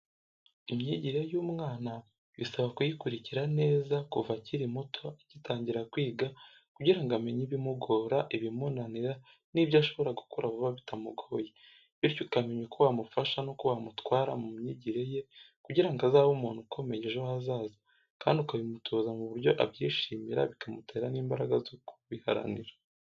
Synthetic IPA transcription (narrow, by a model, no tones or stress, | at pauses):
imɲiɟiɾe̞juːmŋaːna | βisaβakujikuɾiciɾane̞ːzakuvaciɾimutʰo̞ecitaːɲɟiɾakwiːɡa | kuɟiɾaŋɡame̞ɲiβimuɡo̞ːɾaʔiβimunaniɾa | nibjaʃo̞βo̞ɾaɡukoɾavuβaβitʰamuɡo̞je | βiɾcokameɲwukuwamufaʃanokuwamutwaːɾamumɲiɟiɾe̞je̞ | kuɟiɾaŋɡazaːβumuːnhukʰo̞me̞ɲeʒoazaːza | kaːndiukaβimutʰoːzamuβuɾɟo̞ʔabjiːʃiːmiɾa̰βikʰamute̞ːɾaniːmbaɾaɡazuku̥βiha̰ɾa̰niɾa